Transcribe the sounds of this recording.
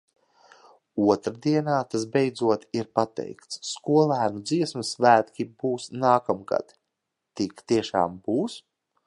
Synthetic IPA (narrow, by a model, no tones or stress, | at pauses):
uɔt̪ɾad̪iɛnaːt̪asbejd̪zuɔt̪iɾpat̪ɛ̰jkt̪sskuɔlˠæːnud̪ziɛsmɨsvæːt̪kʲibuːsnaːkamɡa̰t̪ | t̪ikt̪iɛʃa̰ːmbuːs